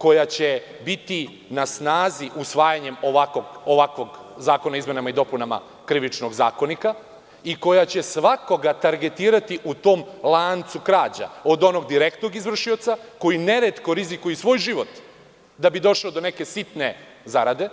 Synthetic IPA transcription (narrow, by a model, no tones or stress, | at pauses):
ko̞jat͡ɕe | bit̪i | nasnaːziʔusʋaːjaɲe̞moʋakoɡoʋakʋo̞ɡ | zaːko̞naizme̞namaid̪o̞punama̰ | kɾiʋit͡ʃnoɡza̰ːko̞nika | iko̞jat͡ɕe̞sʋako̞ɡat̪aɾɡe̞t̪iːɾat̪iʔut̪o̞ːmlˠaːnt̪sukɾaːd͡ʑa̰od̪o̞no̞ɡd̪iɾekt̪no̞ɡizʋr̩ʃio̞t̪sako̞jine̞ɾet̪koɾizikujɛsʋo̞ːjʒiʋo̞t̪ | d̪abid̪o̞ʃlod̪o̞ne̞kesit̪ne | zaɾad̪e̞